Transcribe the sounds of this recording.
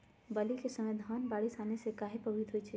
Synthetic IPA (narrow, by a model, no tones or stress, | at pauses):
bɐlikesɐmed̪ʱaːnbaːɽisaːnesekaːɦepɐʋɪd̪ʱɦuit͡ʃʰɛ